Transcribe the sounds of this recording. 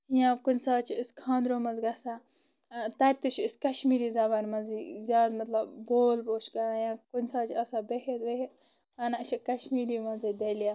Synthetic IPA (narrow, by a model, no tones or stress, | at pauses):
jãːkʊnʲsaːt͡ʃʰiiskʰãːnd̪ɾoːmɐzɡɐsa | t̪ɐɾt̪it͡ʃʰɪskɐʃmiːɾiːzaːbaːnʲmɐziːzʲjaːd̪mɐt̪lɐbboːlboːʃɡɐajãːkʊnʲsaːt͡ʃʰɐsaːbeɦet̪ʋeɦe | ɐnaʃʰikɐʃmiːɾiːmɐzid̪elija